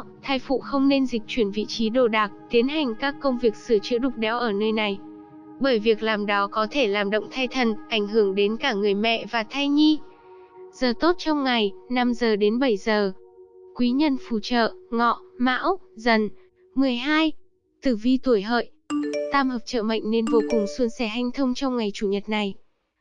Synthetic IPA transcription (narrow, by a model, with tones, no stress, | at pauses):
t̪ʰaː˧jfṵ˧˨xə˧wŋ͡mne˧nzï˨˩k̟̚t͡ɕwi˧˩ənvḭ˧˨t͡ɕi˨˦ɗo˧˩ɗaː˨˩k̚t̪i˨˦ənɦa˨˩jŋ̟kaː˦˥kːə˧wŋ͡mvi˨˩ək̚sɨ˧˩t͡ɕɨ̰˧˥əɗʊ˨˩k͡p̚ɗɛ˨˦wʔəː˧˩nəː˧jna˨˩j | ɓəː˧˩jvi˨˩ək̚laː˨˩mɗɔ˨˦kɔ˨˦t̪ʰe˧˩laː˨˩mɗə̰˧˨wŋ͡mt̪ʰa˧jt̪ʰə˨˩nʔa˧˩jŋ̟ɦɨ˧˩əŋɗe˨˦nkaː˧˩ŋɨ˨˩əjmɛ̰˧˨ʔvaː˨˩t̪ʰa˧jɲi˧ | z̥əː˨˩t̪o˦˥t̚t͡ɕɔ˧wŋ͡mŋa˨˩jna˧mzəː˨˩ɗe˨˦nɓə˧˩jzəː˨˩kwi˨˦ɲə˧nfu˧˩t͡ɕə̰ː˧˨ŋɔ̰˧˨ma̰ː˧˥wzə˨˩n | mɨ˨˩əjɦaː˧j | t̪ɨ˨˩vi˧t̪u˧˩əjɦə̰ː˧˨jt̪aː˧mhəː˨˩p̚t͡ɕə̰ː˧˨mə̰˧˨jŋ̟ne˧nvo˧kʊ˨˩ŋswu˧ənsɛ˧˩ɦa˧jŋ̟t̪ʰə˧wŋ͡mt͡ɕɔ˧wŋ͡mŋa˨˩jt͡ɕu˧˩ɲə˨˩t̚na˨˩j